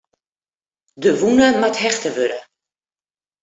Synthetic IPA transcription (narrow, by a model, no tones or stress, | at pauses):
dəʋunəmatɦɛxtəʋøɾə